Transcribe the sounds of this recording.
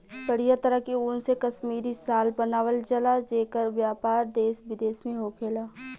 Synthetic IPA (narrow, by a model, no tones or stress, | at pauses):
pəɽijat̪əɾəɦkiʊnsekɐʃmiːɾisaːlbɐnaːʋəlt͡ʃɐlad͡ʒeːkəɾʋjaːpaːɾd̪eːsbɪd̪eːsmẽɦoːkʰeːlaː